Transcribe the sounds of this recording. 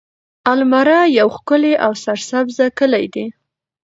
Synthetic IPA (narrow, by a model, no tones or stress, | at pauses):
almaɾɑjawxkʊleʔawsaɾsabzakəlajd̪i